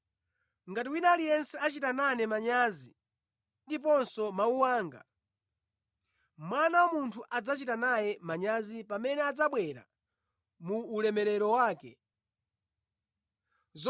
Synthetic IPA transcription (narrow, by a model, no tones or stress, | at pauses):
ŋɡatiwinalijɛnsɛat͡ʃitananɛmaɲazi | ndip̬ɔnsɔmauwaːŋɡa̰ | mwanawamuntʰuʔad͡zat͡ʃitanajɛmaɲazipamɛnɛad͡zaɓwɛɾa̰ | muːlɛmɛɾɛɾɔwaːkɛ | z